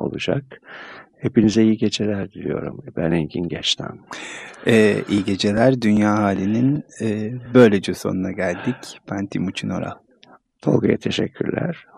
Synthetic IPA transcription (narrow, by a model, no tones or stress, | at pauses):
o̰lˠud͡ʒa̰khepinizɛijiɟe̞d͡ʒelʲæɾd̪ilʲḭjo̞ɾumbænicʰinɟɛt͡ʃt̪ʰæ̰m | ɛːʔijiɟe̞d͡ʒe̞lʲæɾd̪ynjaːɦaːlʲininɛːbø̞jlʲed͡ʒeso̞̰nunaɟælʲd̪icbʰant̪ʰimut͡ʃʰino̞̰ɾa̰ | olɡaja̰t̪ʰe̞ʃɛcʰːy̰ɾlʲæ̰ɾ̥